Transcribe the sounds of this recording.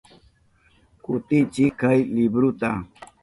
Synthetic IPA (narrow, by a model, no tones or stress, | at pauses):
kut̪it͡ʃikʰəjlibɾut̪a̰